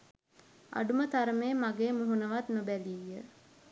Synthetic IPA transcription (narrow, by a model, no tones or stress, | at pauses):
a̰ɖumət̪aɾəmeːmaɡeːmuɦunəʋat̪nobæliːjə